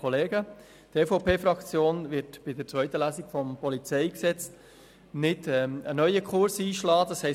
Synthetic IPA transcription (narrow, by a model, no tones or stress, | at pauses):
ɔleːɡə | t̪efoʊpʰeːfɾɑkt͡sjoːnvɪɾtb̥ɪd̪əɾt͡sʋœʏt̪əlæːsiɡ̥fɔmpɔlit͡sɛɪksɛt͡st | nɪdɛənœʏəkʰχʊɾsiːʃlɑːd̥ɑshɛ